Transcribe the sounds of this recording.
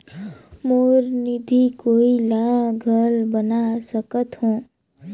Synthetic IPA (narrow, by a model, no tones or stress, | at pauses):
moːɾnid̪ʱikoːilaːɡʱəlbənasəkət̪ɦõː